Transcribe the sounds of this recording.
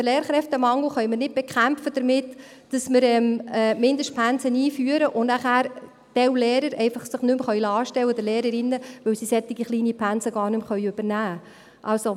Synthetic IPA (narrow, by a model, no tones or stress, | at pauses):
dəleːɾχɾɛft̪əmɑŋl̩χœjməɾnɪd̚b̥ɛkχæmfəd̥̪əɾmɪt̪ | d̥ɑsmɪɾɛːmɛːmɪnd̪əʃt̚pʰænsəniːfyːəɾəʔʊnnæχæːɾ | d̥ɛwleːɾəɾɛɪfɑχsəχnʏmχœʏjlɑːʃtɛwːəd̪əleːɾəɾɪnːəʋɵwsisɛt̪ːɪɡiχliːnipʰænsəɡɑːɾnɵmχœʏøb̥əɾnæː | ʔɑlso